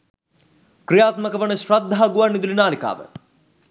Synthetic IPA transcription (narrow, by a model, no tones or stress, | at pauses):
kɾijaːt̪məkəʋəɳəɕɾɐd̪ʱːaɦaɡuʋanːid̪ulinaːlika̰ːʋə̰